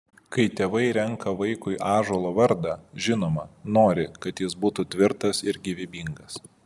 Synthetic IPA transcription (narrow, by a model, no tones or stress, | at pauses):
kɐɪt̪ʲeːʋɐɪɾʲɛŋkɐʋɐɪkʊɪʔɑːʒoːlˠoːʋɐɾd̪ɑʒʲɪnoːmɐnoːɾʲɪkɐt̪jɪsbuːt̪ut̪ʲʋʲɪɾt̪ɐsɪɾɡʲɪʋʲɪbʲiːŋɡɐs